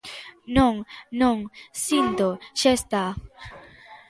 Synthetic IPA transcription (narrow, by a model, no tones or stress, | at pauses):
nuŋnuŋsint̪oʃest̪a